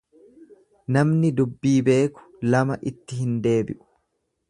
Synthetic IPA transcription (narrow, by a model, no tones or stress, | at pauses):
nɐmnɪd̪ʊbːiːbe̞ːkʊ̥lɐmɐʔɪt̪ːɪɦɪnd̪e̞ːbɪʔʊ̥